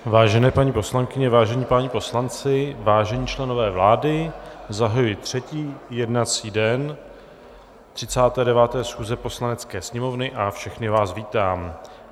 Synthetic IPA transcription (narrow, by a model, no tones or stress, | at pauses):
vaːʒɛnɛːpaɲiːpo̞slaŋkɪɲɛvaːʒɛɲiːpaɲipo̞slant͡sɪvaːʒɛɲiːt͡ʃlɛno̞vɛːvlaːdɪzaɦajujɪt̪r̝̥ɛciːjɛdnat͡siːdɛn | t̪r̥ɪt͡saːt̪ɛːdɛvaːt̪ɛːsxuːzɛpo̞slanɛt͡skɛːsɲɛmo̞vnɪʔafʃɛxnɪvaːsviːt̪aːm